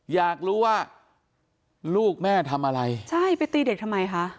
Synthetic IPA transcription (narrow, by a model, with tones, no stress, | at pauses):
jaː˨˩k̚ɾuː˦˥waː˥˩ | luː˥˩k̚mɛː˥˩t̪ʰa˧mʔa˧ɾa˧jt͡ɕʰa˥˩jpa˧jt̪iː˧de˨˩k̚t̪ʰa˧mːa˧jkʰa˦˥ʔ